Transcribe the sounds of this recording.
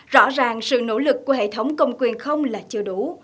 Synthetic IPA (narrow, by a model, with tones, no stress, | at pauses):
zɔ̰˧˥zaː˨˩ŋsɨ̰˧˨no̰˧˥lɨ˨˩kːu˧˩əɦḛ˧˨t̪ʰə˨˦wŋ͡mkə˨˩wŋ͡mkwi˨˩ənxə˧wŋ͡mlaː˨˩t͡ɕɨ˧əɗu˧˩